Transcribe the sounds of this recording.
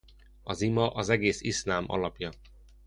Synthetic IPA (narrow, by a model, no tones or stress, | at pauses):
ɒzimɒʔɒzɛɡeːsislaːmɒ̰lɒpjɒ